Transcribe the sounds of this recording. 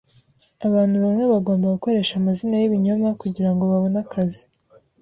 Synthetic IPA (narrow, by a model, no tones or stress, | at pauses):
aβaːn̥huβaŋeβaɡo̞ːmbaɡuko̞ɾe̞ːʃamazinajiβiɲomakuɟiɾaŋɡo̞βaβo̞nakʰazi